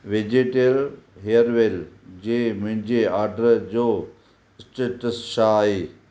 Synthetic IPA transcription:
ʋed͡ʑeʈeɾɦeəɾʋeld͡ʑeːmʊ̃ɦɪ̃ɲd͡ʑeaːɾɖəɾd͡ʑoː | ɪsʈeʈəsʃaɦeː

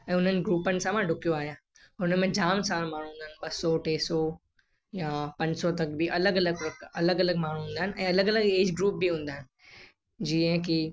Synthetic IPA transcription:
ɛ̃ːʊn̤ənɪ̆ɡɾuːpənɪ̆sãmãɖʱʊkijoaːɦijã | ʊnəmẽd͡ʑaːmsãːlmaːñ̤ũɦːnd̪aːɪnɪɓɐsɔʈeːsɔ | japɐ̃ɲd͡ʑsɔt̪ɐkbʱiʔɐləɡɐləɡʋɐkɐləɡɐləɡmaːɳ̤ũɦũːnd̪aɦɪnɪ̆ʔɛ̃ːɐləɡɐləɡeːd͡ʑɡɾuːp̚biɦũːn̆d̪aːɪnɪ | d͡ʑiːə̃k̬i

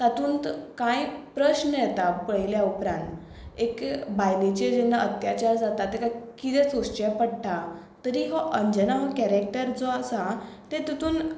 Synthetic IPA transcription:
t̪at̪ũːnt̪kãjpɾəɕnəjɛt̪apəɭiljaupɾãnt̪ | ekbajnet͡ɕed͡ʑenːaət̪jat͡ɕaɾd͡zat̪at̪ːekajkit̪ɛt͡sost͡ɕapəɽʈa | t̪əɾiːɦɔʔəɲd͡ʑənaɦɔkɛɾek̚ʈəɾd͡zɔəsat̪et̪ət̪uːn

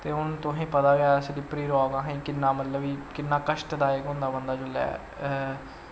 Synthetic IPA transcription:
t̪eːʊnt̪ʊɦĩːpət̪aːɡaːəseɖiːpɾiːɾɔːɡãːɦẽːkɪnːaːmət̪ləbiːkɪnːaːkəʃʈd̪aːɪkɦʊ̃nd̪aːbənd̪aːd͡ʒoːlɛ̰ː

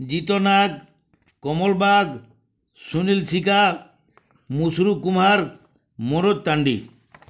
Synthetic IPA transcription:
d͡ʒit̪ɔnaɡ̚ | kɔmɔlbaɡ | sunilsika | musɾukumaɾ | moɾot̪̚t̪ːaɳɖḭ

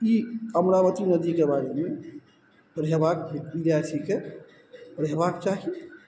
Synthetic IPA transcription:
iəmɾaʋət̪inəd̪ikebaɾeme | ɾɛbakʋid̪jaɾt̪ʰike | ɾɛɦbakt͡ʃaɦi

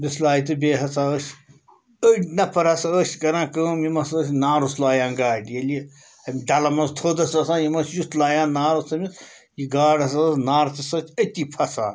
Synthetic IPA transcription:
bislaːjit̪ɨbeːɦɐt͡sʰaːəs | əʈnɐpʰɐɾɐsɐəːsʲkɐɾãːkəːmjimɐsəːs̬ʲnaːɾuslaːjãːnɡaːɖjɐli | ɐmʲɖɐlɐmɐst̪ʰoːd̪ɐsɐsãːjimɐsjut̪laːjãːnnːaːɾɐsɐmis | jiɡaːɽɐsɐsnaːɾɐt̪isɐt̪ʰʲət̪ipʰɐsʰa̰ːn

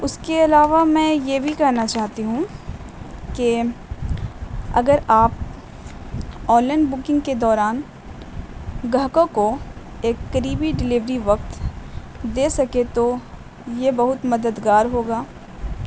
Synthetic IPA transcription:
ʊskeɐlaːʋamɛ̃ːjebʱikɛɦnat͡ʃaːɦt̪iɦũ | ke | ɐ̰ɡəɾaːp̚ | ɔːlənbʊkɪ̃ŋɡked̪ɔːɾaːn | ɡɐɦkõko | eːkːɐɾiːbiɖɪlɪʋɾiʋɐkt̪ | d̪eːsɐket̪o | jebɐɦʊt̪mɐd̪əd̪ɡaːɾɦoːɡaː

